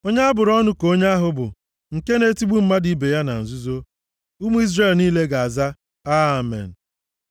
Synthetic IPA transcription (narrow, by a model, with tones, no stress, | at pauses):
o˦ɲa˦a˦bʊ˨ɾɔ˦nʊ˦ko˦ɲa˦a˦ɦʊ˨bʊ̰˨ | ŋ̩˨ke˦ne˦ti˦ɡ͡bu˦m̩˦ma˦di˨˦be˨ja˦na̰˨n̩˨zu˦zo˦ | u˦mu˦i˦zre˦˨lniː˦le˦ɡa˨a˨za˦ | a˦˨mḛ˨n̩˨